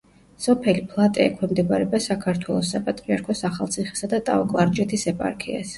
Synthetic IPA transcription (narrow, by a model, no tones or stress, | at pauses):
sɔpʰɛlipʰlˠat̪ʼɛɛ̰kʰwɛmd̪ɛbaɾɛbasakʰaɾt̪ʰwɛlˠɔsːapʼat̪ʼɾiaɾkʰɔsaχalˠt̪sʰiχɛ̥sad̪at̪ʼa̰ɔkʼlˠaɾd͡ʒɛt̪ʰisɛpʼa̰ɾkʰḭa̰s